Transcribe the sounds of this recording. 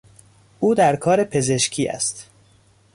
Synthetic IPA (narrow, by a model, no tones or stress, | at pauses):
ʔuːd̪æɾkʰɒːɾepʰe̞ze̞ʃcʰiːʔæ̰st̪